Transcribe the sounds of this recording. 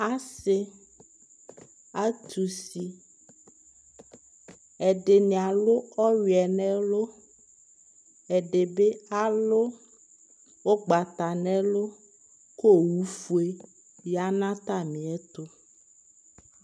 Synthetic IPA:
a˦se˦ | a˦t̪ʰu˨si˨ | ɛ˨ɖe˨nĩ˨a˨lo˦ɔ˦ɥi˨ɛ˨nɛ̃˦lo˦ | ɛ˨ɖe˨be˦a˦lo˦ | wo˦ɡ͡ba˨t̪a˨nɛ̃˦lo˦ | ko˦˨wu˦fu˦e˦ | ja˦nã˦t̪a˦mĩ˨ɛ˦t̪o˦

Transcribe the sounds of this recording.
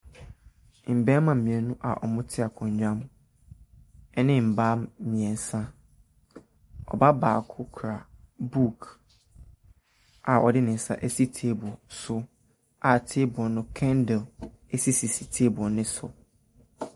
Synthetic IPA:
m̩˨bɛ˦mã˨m̩˨mĩ˨ɛ˨nũ˦ʔa̰˨ʔɔ̰˨mʊ̃˦tʰɪ˦a˨kʰɔ̃˨ɲ˨d͡ʑᶣã˦m | ɛ˦nɪ̃˦m̩˨baː˦m˦mĩ˨ɛ˨n˨˦sã˦ | ɔ̰˨ba˦baː˨kʰʊ˦kʰɾa˨ | bu˦˨kʰ | ʔa˨ʔɔ̰˨dɪ˦nɪ̃˨n̩˨sa̰˦ʔæ˦si˦tʰeː˦bu˨ɔ˨sʊ˦ | a˨tʰe˦bɔ˨nʊ̃˦kʰɛ̃˦ndɛ˨l | e˦si˦si˨si˨tʰe˦bʊ˨ɔ˨nɪ̃˦sʊ̰˨

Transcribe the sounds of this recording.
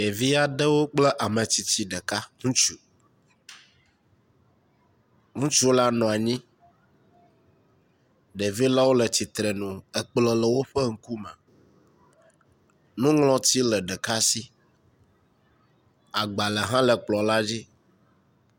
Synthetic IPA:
e˨vi˦a˦ɖə˦wo˦k͡plɛ˦ʔa˨mə̃˨t͡ɕi˨t͡ɕi˦ɖə˨ka˦ŋũ˦t͡ʃu˨ | ŋũ˦t͡ʃu˦la˦nɔ̃˨a˨ɲĩ˦ | ɖe˨vi˦la˦wo˦lə˨t͡ɕi˨t̪ɾe˨nũ˨ə˨k͡plə˨lə˨wo˦ɸɛ˦ŋ̩˦ku˦mɛ̃˨ | nũ˦ŋlɔ̃˦t̪i˦lə˨ɖə˨ka˦si˦ | a˨ɡ͡ba˨lə˨ɦã˦lə˨k͡plɔ˨la˦d͡ʑi˦

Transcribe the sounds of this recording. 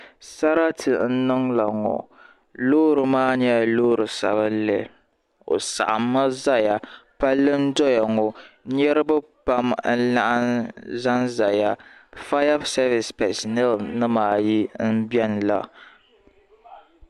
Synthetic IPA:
sa˦ɾa˦tʰɨ˨n̩˦nɨ˦ŋla˨ŋɔ̰˨ | loː˦ɾɨ˨maː˦ɲɛ˦˨loː˦ɾɨ˨sa̰˨bɨ˦lɛ˨ | o̰˨sa̰˨ʔa˨mːa˦za˦ja˨pa˦lːɨ˦n̩˦dɔ˦ja˨ŋɔ˨˦ɲɛ˦ɾɨ˦bɨ˦pa˦mn̩˦la˦ʔa˦nza˦nza˨ja˨fa˦ja˦sɛ˦vɪ˨spɛ˨snɛ˦lnɨ˦maː˨˦ji˦n̩˦bɛ˦nla̰˨

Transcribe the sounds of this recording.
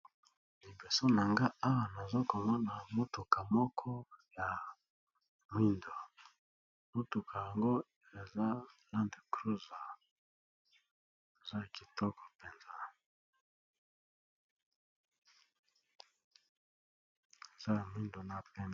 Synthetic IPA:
li˨be˨so˦na˨ŋɡa˦a˦wa˨na˨zo˦ko˨mɔ˦na˨mo˦tu˨ka˨mɔ˦kʰɔ˦ja˨ | m˦i˦ndo˨ | mo˦tu˨kʰa˨ja˨ŋɡo˦ | e˨za˦la˦nde˨kɾu˦za˨ | e˨za˦˨ki˨tɔ˦kɔ˨pe˨nza˦ | e˨za˦ja˨mwi˦ndo˨na˦pe˦n

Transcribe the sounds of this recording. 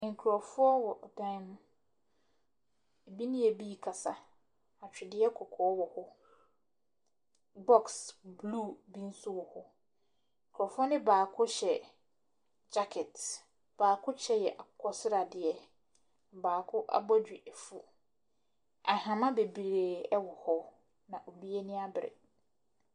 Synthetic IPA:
ŋ̩˨kʰɾɔ˨fʊ˦ɔ˦wɔ˨ʔdã˦nʊ̃˦ | e˨bi˦nɪ̃˦e˨bi˦˨kʰa˨sa˨ | a˨t͡ɕᶣɪ˨dɪ˦ɛ˦kʰɔ˨kʰɔː˨˦wɔ˨hʊ˦ | bɔ˦ksbluː˦˨bĩ˦n̩˦su˦wɔ˨hʊ˦ | ŋ̩˨kʰɾɔ˨fʊ˦ɔ˦nɪ̃˦baː˨kʰʊ˦ɕɛ˨ | d͡ʑa˦kʰɛ˨t | b̥aː˨kʰʊ˦t͡ɕʰɛ˦jɛ˨ʔa˨kʰɔ˦sɪ˦ɾa˨dɪ˨ɛ˦˨ | baː˨kʰʊ˦ʔa̰˦bɔ˦d͡ʑᶣi˨ʔɛ˨fu˦ | a˨hã˨mã˦be˨bɾeː˨ɛ˦wɔ˨hɔ˦ | nã˨ʔo˨bi˦e˦nɪ̃˦a˦bɪ˨ɾɪ̰˨

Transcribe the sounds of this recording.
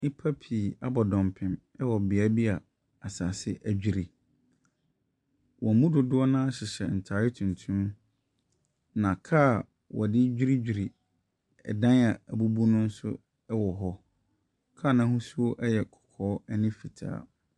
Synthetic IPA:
nɪ̃˦pʰa˦pʰi˨a˦bɔ˨dɔ̃˨mpʰɪ̃˨m | ɛ˦wɔ˨bɪ˨a˨˦bi˦a˨ | a˨sa˨sɪ˦ʔæ˨d͡ʑᶣi˨ɾi˨ | wɔ̃˨mũ˦dʊ˨dʊ˦ɔ˦nã˦a˦ɕɪ˨ɕɛ˨n̩˨tʰaː˨ɾɪ˦tʰũ˨ntʰũ˦ | nã˨kʰa˦˨ | wʔɔ̰˨dɪ˦d͡ʑᶣi˦ɾi˦d͡ʑᶣi˨ɾi˨ | ɛ̰˨dã˦na˨æ˨bu˦bu˦nʊ̃˦n˦sʊ̰˦ | ɛ˦wɔ˨ɦɔ˦ | kʰa˦˨nã˨˦hũ˦su˦o˦ʔɛ˦jɛ˨kʰɔ̥˨kʰɔː˦ɛ˦nɪ̃˦fi˨tʰa̰ː˦

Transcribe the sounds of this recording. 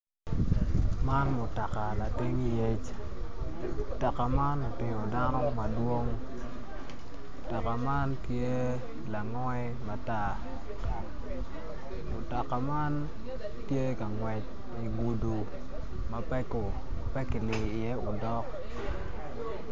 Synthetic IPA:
ma˦nmʊ˨ta˨ka˨la˨ti˦ŋi˦je˦t͡ʃ | ta˨ka˨ma˦no˨tɪ˨ŋo˨da˦nɔ˦ma˦dwo˦ŋ˨ | ta˨ka˨ma˦ntje˦ | la˨ŋɔ˦ɛ˦ma˨ta˦ | mʊ˨ta˨ka˨ma˦n | tje˦ka˨ŋwɛ˨t͡ʃ | i˨ɡu˨du˨ | ma˦pɛ˦ko˨ | pɛ˦kɪ˨lɪ˨ɪ˨ɛ˦o˨dɔ˦k

